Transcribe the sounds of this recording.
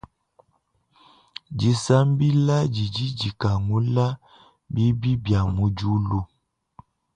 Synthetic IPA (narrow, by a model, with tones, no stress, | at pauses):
d͡ʒi˨sa˦mbi˦la˦d͡ʒi˨d͡ʒi˦d͡ʒi˨ka˨ŋu˦la˦ | bi˦bi˦bja˨mu˨d͡ʒu˦lu˦